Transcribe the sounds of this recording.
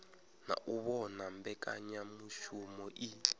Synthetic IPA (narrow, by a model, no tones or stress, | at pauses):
na̰ʔuβɔnambɛkʼa̰ɲamuʃumɔʔi